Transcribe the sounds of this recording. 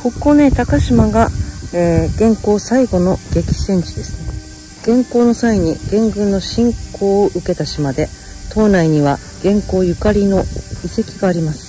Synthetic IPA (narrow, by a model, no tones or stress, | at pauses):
ko̞kːo̞ne̞ːt̪akaɕimaɡaeːɡ̥ẽ̞ŋko̞ːsaiɡo̞no̞ɡ̥e̞kʲi̥sẽ̞ɲ̟t͡ɕid̪e̞sɨ̥ | ɡ̥ẽ̞ŋko̞ːno̞saiɲ̟iɡ̥ẽ̞ŋɡɯ̟̃nːo̞ɕĩŋkʰo̞ːʔɯ̟ke̞t̪aɕimad̪e̞ | t̪ʰo̞ːnaiɲ̟iβa | ɡ̥ẽ̞ŋko̞ːjɯ̟kaɾʲino̞ise̞kʲiɡaːɾʲimasɨ̥